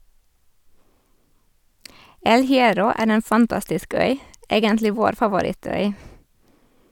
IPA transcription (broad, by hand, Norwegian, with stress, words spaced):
ˈɛl hɪˈɛɾɔ ˈæːɾ m ˈeːn fɑnˈtɑstɪsk ˈœʏ ˈeːɡəntlɪ ˈʋoːɾ fɑʋʊˈɾɪˌtœʏ